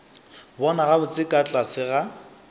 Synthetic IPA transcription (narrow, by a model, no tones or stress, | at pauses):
bɔnaɣabʊt͡sʼɪkʼat͡ɬʼasɪɣa